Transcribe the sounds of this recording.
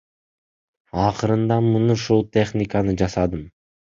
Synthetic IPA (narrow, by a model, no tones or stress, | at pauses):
ɑqɯɾɯnd̪ɑmunuʃulˠt̪ʲeχnʲɪkanɯd͡ʒɑsɑd̪ɯm